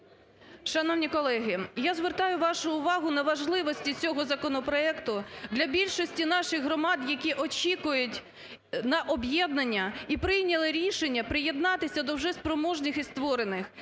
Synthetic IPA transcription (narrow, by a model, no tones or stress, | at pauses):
ʃɐnɔwnʲikɔlˠɛɦɪjazʋert̪ɑjʊʋɑʃʊːʋɑɦʊnɐʋɐʒlˠɪʋɔsʲtʲit͡sʲɔɦɔzɐkɔnɔpɾɔɛkt̪ʊd̪lʲɐbʲilʲʃɔsʲtʲinɑʃɪxɦɾɔmɑd̪jɐkʲiʔɔt͡ʃʲikʊjʊtʲ | nɐʔɔbʲjɛd̪̚nɐnʲːɐipɾɪjnʲɐlˠɪɾʲiʃenʲːɐpɾɪjed̪nɑt̪ɪsʲɐd̪ɔwʒɛspɾɔmɔʒnɪxist̪ʋɔɾenɪx